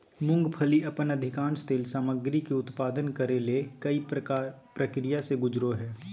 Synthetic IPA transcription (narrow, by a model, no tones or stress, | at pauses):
mʊ̃ŋɡpʰəliɐpənɐd̪ʱɪkãːnst̪eːlsaːməɡɾikeʊt̪paːd̪ənkɐɾelekɐi | pɾɐkɾijaseɡʊd͡ʒɾoɦɛː